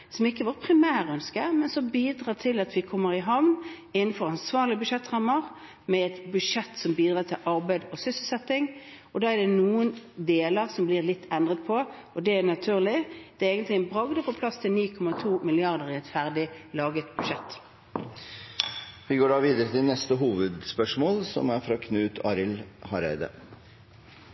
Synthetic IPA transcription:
sɔmɪkːəʋɑːʁpʰɾɪmæːʁœnskəɾmɛnsɔmbiːd̪ʁɑːt̪ʰɪlɑt̪ʋɪkʰɔmːəɾɪɦɑʋn | ɪnːn̩fɔɾɑnsʋɑːʁlɪəbʉʂɛt̪ːʁɑmːəʁ | mɛɛt̪bʉʃɛt̪ːsɔmbiːd̪ʁɑːt̪ʰɪlʔɑʁbæɪd̪ɔsʏsəl̩sɛt̪ːɪŋ | ɔd̪ɑːæd̪ɛnuːənd̪eːləʁsɔmblɪːʁlɪt̪ːɛnd̪ʁət̪pʰɔ | ɔd̪ɛænɑt̪ʰʉːʁlɪd̪̥ɛeːɡənt̪lɪɛnbʁɑɡd̪əpʰɔpʰlɑst̪ʰɪlniːkʰɔmɑt̪ʰuːmɪlɪɑʁd̪əʁɪɛt̪fæʁd̪ɪlɑːɡət̪bʉʂɛt̪ː | ʋɪɡoːɖɑːʋiːd̪əɾət̪ʰɪlnɛst̪əɦuːʋəd̪spœʂmoːlsɔ̰mæɾfɾɑkʰnʉːt̪ʰɑːɾɪlhɑɾæ̰ɪd̪ə̰

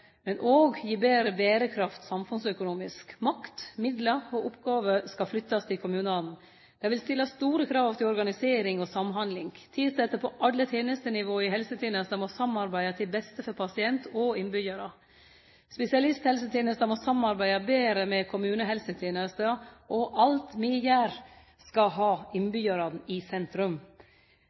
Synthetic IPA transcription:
mɛnʔoːɡjiːbeːɾəbeːɾəkʰɾɑft̪sɑmfʉnsœkʊnuːmɪskmɑkt̪mɪd̪ləɔʔʊpɡɑːʋəskɑflʏt̪ːɑst̪ʰɪlkʰʊmʉːnɑln̩ | d̪̥ɛʋɪlst̪ɪlːɑst̪uːɾəkʰɾɑːʋt̪ʰɪlɔɾɡɑnɪseːɾɪŋɔsɑmɦɑnd̪lɪŋt̪ʰid̪sɛt̪ːəpʰɔʔɑlːət̪ʰeːnəst̪ənɪʋoːɪhɛlsət̪ʰeːnəst̪ɑmosɑmɑɾbæɪɑt̪ʰɪlbɛst̪əfɔɾpʰɑsɪɛnt̪ʰɔɪnbʏjɑɾə | spɛsɪɑlɪst̪hɛlsət̪ʰeːnəst̪ɑmɔsɑmɑɾbæɪɑbeːɾəmɛkʰʊmʉːnəɦɛlsət̪ʰeːnəst̪əʔɔʔɑlt̪mɪjæːɾ | skɑɦɑːɪnbʏjɑɾɑnɪsɛnt̪ɾʉm

